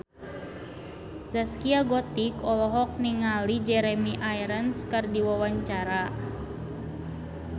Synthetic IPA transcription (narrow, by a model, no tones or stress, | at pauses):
zaskiaɡɔt̪ikɔlɔɦɔk̚niŋalid͡ʒɛɾɛmiʔajɾənskərdiwawaɲt͡ʃaɾa